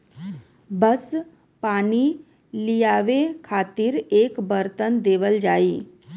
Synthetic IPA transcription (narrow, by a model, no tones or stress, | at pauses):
bəs | paːni | lijaːʋekʰaːt̪iɾeːkbəɾt̪ənd̪eːʋəld͡ʒaːiː